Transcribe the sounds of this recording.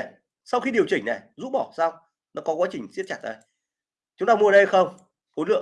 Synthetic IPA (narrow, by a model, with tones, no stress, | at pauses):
sa˧wxi˧ɗi˨˩əwt͡ɕï˨˩ŋ̟nɛ˨˩zṵ˧˥ɓɔ˧˩saː˧wŋ͡m | nɔ˨˦kɔ˨˦kwaː˨˦t͡ɕï˨˩ŋ̟zi˦˥t̚t͡ɕaː˨˧˩t̚ʔə˨˦j | t͡ɕʊ˨˦ŋ͡mt̪aː˧mu˧˨˩ɗxə˧wŋ͡m | ho˨˦lɨ̰˧˨ə˨